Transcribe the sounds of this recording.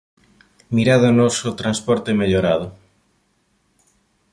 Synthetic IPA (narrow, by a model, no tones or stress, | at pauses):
miɾaðonosot̪ɾanspɔɾt̪emeʎoɾað̞ʊ